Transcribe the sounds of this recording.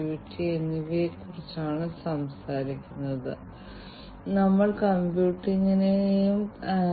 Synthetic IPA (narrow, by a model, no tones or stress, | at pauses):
uːʈːienːiʋekurit͡ɕːaːɳɨsɐmsaːɾikʲːunːɐðɨ̰ | nɐmːɐɭkɐmbjuːʈːiŋːɐnejum